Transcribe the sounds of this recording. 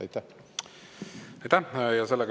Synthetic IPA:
jt̪æ | ɑjt̪æjɑselːəɡ

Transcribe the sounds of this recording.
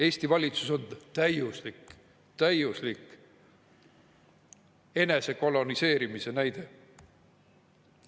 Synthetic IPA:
e̞ːsʲt̪ivɑlʲit̪suso̞nt̪æjuslik | t̪æjuslik | e̞ne̞se̞ko̞lo̞nise̞ːɾimise̞næjd̪̥e̞

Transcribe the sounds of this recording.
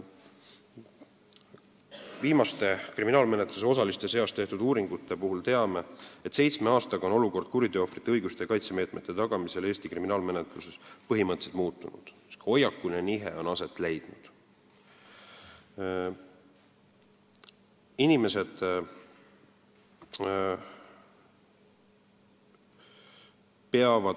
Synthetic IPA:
viːmɑst̪e̞kriminɑːlme̞net̪lus̬e̞o̞s̬ɑlist̪e̞se̞ost̪e̞ht̪ud̪uːɾiŋɡut̪ːˑe̞puɦult̪e̞ɑme̞et̪se̞jt̪sme̞ɑːst̪ɑɡ̥ɑono̞luko̞rd̪̥̚kuɾid̪øːofri̥t̪ːˑeɤjɡust̪ekɑjt̪seme̞ːt̪ˑme̞t̪ːˑe̞t̪ɑɡ̥ɑmise̞le̞ːst̪ikriminɑːlme̞net̪ˑluse̞spɤɦimɤt̪ːse̥t̪muːt̪ːˑunṵd̪̥ | sho̞jɑkːulineniɦḛo̞nɑse̞t̪ːˑle̞jd̪̥nud̪̥ | inime̞se̞d̪̥ | peɑvɑ

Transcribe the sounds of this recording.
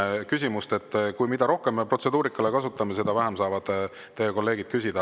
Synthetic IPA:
kysʲimust̪e̞t̪ːkujmid̪̥ɑɾo̞hkemːepro̞t̪se̞d̪uːɾikːˑɑlekɑsut̪ːˑɑme̞se̞d̪̥ɑvæɦemsɑːvɑd̪̥ | t̪ːe̞jeko̞lːe̞ːɡ̥id̪̥̚kysʲid̪̥ɑ

